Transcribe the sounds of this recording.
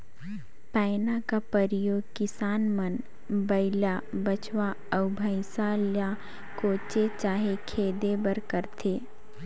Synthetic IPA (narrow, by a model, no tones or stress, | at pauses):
paːɪnakapəɾɪjoːɡkɪsaːnmən | bəɪlabət͡ʃwa | əʊbʱəɪsalja | koːt͡ʃet͡ʃaːɦekʰeːd̪ebəɾkəɾt̪ʰeː